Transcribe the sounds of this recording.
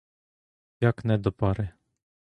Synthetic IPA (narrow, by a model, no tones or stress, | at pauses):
jaknɛd̪ɔpaɾɛ